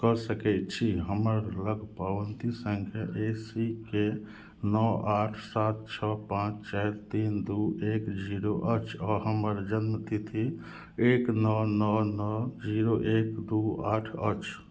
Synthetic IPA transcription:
kɔsəkɛtt͡ʃʰiɦəməɾləɡpaʋənt̪isəŋɡʰʱjeʔesike | nɔaːʈʰsaːt̪̚t͡ʃʰɔpãːt͡ʃt͡ʃɛɦɾt̪iːnd̪ueːkd͡ʒiɾoʔət͡ʃʰɔːɾɦəməɾd͡ʒənmət̪ʰit̪ʰi | eːknɔnɔnɔd͡ʒiɾoʔekd̪uaːʈʰə̰t͡ʃʰ

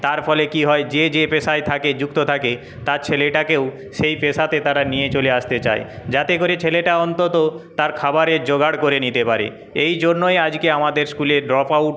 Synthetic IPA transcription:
t̪aɾfɔlekiɦɔed͡ʑed͡ʑepesaet̪ʰaked͡ʑukt̪ot̪ʰake | t̪at͡ɕʰeleʈakew | ʃejpesat̪et̪aɾanijet͡ɕoleaʃt̪et͡ɕa̰ed͡ʑat̪ekoɾet͡ɕʰeleʈaɔnt̪ot̪ot̪aɾkʰabaɾeɾd͡ʑoɡaɽkoɾenit̪epaɾḛ | ejd͡ʑonːoead͡ʑkeamad̪eɾskuleɖɾɔpawʈ̚

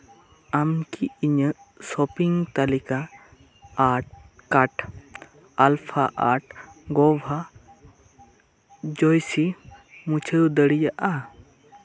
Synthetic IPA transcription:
amkiiɲəsɔpiŋt̪alika | aʈkaʈ | alpʰaʔaʈɡɔbʱa | d͡ʒɔjsimut͡ʃʰəud̪əɽijaʔa

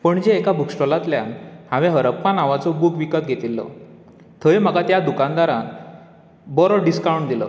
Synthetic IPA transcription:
pəɳd͡ʑeːkabʱukʂʈɔlat̪lja̰nhãʋɛ̃ɦəɾəpːanaʋat͡sɔbukʋikət̪̚ɡʱet̪ilːɔ̰ | t̪ʰəjm̤əkat̪jad̪ukand̪aɾã | bɔɾɔɖiskawɳd̪ilə̰

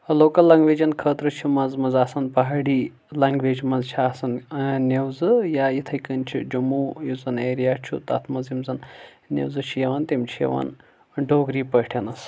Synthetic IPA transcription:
ɐloːkɐlːɐŋɡʋeːd͡ʒɐnkʰəːt̪ɾɨt͡ʃʰimɐzmɐzaːsɐnpɐɦaːɽiː | lɐŋɡʋed͡ʒmɐzt͡ʃʰaːsɐnnewzɨjaːjit̪ʰɐjkɨnt͡ʃʰḭd͡ʒɐmuːjuzɐneːɾijaːt͡ʃʰṵt̪ɐt̪ʰmɐzimzɐn | nʲḛwzɨt͡ʃʰijɐʋɐnt̪imt͡ʃʰijḛʋɐ̰n | ɖoːɡɾiːpəʈʰɐnɐs

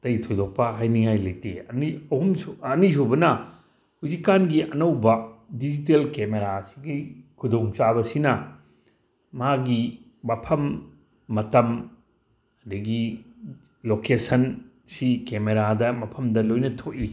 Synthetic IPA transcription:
tɐjtʰojdok̚pɐɦajniŋajlɐjteɐniɐhumsɐnis̬obɐnɐ | huzikːanɡiʔɐnɐwbɐdid͡ʒit̬elkemeɾasi̥ɡikʰudoŋt͡ʃabɐsinɐ | maɡi | mɐpʰɐmː | ɐtɐm | ɐdɐɡi | lokesɐn | sikemeɾadɐmɐpʰɐmdɐlojnɐtʰoʔi

